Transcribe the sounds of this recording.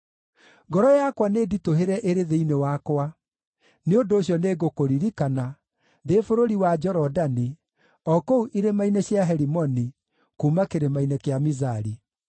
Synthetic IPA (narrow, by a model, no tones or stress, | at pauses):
ɡɔɾɔjakwaneːditoɦeɾɛʔeɾeðeinewakwa | neondoːɕjɔneːɡokoɾiɾikana | ðefoɾoɾiwad͡ʒɔɾɔdani | ɔkouʔiɾemaineɕjaɦɛɾimɔni | kuːmakeɾemainekeamizaɾi